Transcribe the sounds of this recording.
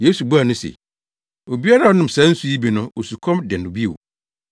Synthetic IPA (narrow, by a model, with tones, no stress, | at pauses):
je˦su˨bu˦a˨nʊ̃˦sḛ˨ | o˨bi˦a˦ɾa˦˨ɔ˦nʊ̃˨m˨sã˦n̩˦su˦ji˦bi˨nʊ̃˦o˨su˨kʰɔ̃˦mdɛ˨nʊ̃˨bi˦e˨w